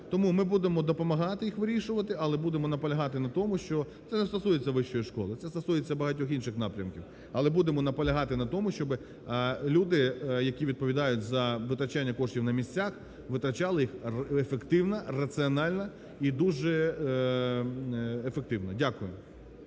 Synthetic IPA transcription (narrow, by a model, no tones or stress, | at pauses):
t̪ɔmumɪbud̪emɔd̪ɔpɔmɐɦɑt̪ɪjixʋɪɾʲiʃʊʋɐt̪ɪɐlˠɛbud̪emɔnɐpɐlʲɐɦɑt̪ɪnɐt̪ɔmʊʃt͡ʃɔt̪sɛnɛst̪ɐsujet͡sʲːɐʋɪʃt͡ʃɔjiʃkɔ̰lˠɪt̪sɛst̪ɐsujet͡sʲːɐbɐɦɐtʲɔxinʃɪxnɑpɾʲɐmkʲiw | ɐlˠɛbud̪emɔnɐpɔlʲɐɦɑt̪ɪnɐt̪ɔmʊʃt͡ʃɔbɪ | lʲud̪ɪjɐkʲiʋʲid̪̚pɔʋʲid̪ɑjʊt̚ʲzɐʋɪt̪ɾɐt͡ʃanʲːɐkɔʃtʲiwnɐmʲisʲt͡sʲax | ʋɪt̪ɾɐt͡ʃɑlˠɪjixefekt̪ɪwnɐrɐt͡s̪ɨɔnɑlʲnɐ | id̪uʒɛ | efek̚t̪ɪwnɔdʲakʊjʊ